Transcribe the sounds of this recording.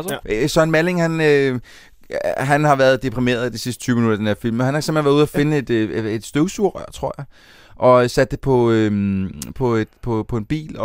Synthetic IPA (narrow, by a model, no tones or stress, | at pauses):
sɒnmæle̝ŋhænø | ɦænhɑ̈ʋæɐðˠd̥e̝pʰʁime̝̰ːɐðˠid̥isisd̥ə̥t͡sʰyːminud̥ɐæd̥enheɐfil̰mɒhænhɑseɐm̥en̩ʋæɐðˠuðˠɐfe̝nəe̝d̥e̝d̥sd̥øʊsuɐ̰ʁœ̰ɐ̰t͡sʰʁo̝̰ɐ̰jɑ̈ɪ | ʔɒ̽sæd̥ːe̝pʰɒ̽ømpʰɒ̽e̝d̥pʰɒ̽pʰɒ̽e̝nb̥ḭːlɒ